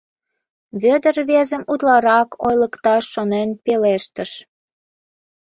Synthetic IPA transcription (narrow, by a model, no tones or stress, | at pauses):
βød̪ərβezəmud̪lɑɾɑkʰojləkt̪ɑʃːonenpeleʃt̪əʃ